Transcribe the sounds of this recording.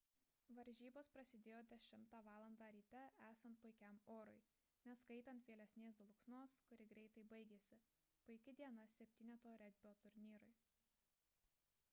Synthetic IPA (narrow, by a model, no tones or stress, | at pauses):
ʋɐɾʲʒʲiːboːspɾɐsʲɪd̪ʲeːjoːd̪ʲɛʃʲɪmt̪ɑːʋɑːlˠɐnd̪ɑːɾʲiːt̪ʲɛæːsɐnt̪̚pʊɪkʲɛmoːɾʊɪ | nʲɛskɐɪt̪ɐnt̪ʋʲeːlʲɛsʲnʲeːsd̪lˠʊksnoːskʊɾʲɪɡɾʲɛɪt̪ɐɪbɐɪɡʲeːsʲɪpʊɪkʲɪd̪ʲiɛnɐsʲɛpʲt̪ʲiːnʲɛt̪oːɾʲɛd̪ʲbʲɪoːt̪ʊɾʲnʲiːɾʊɪ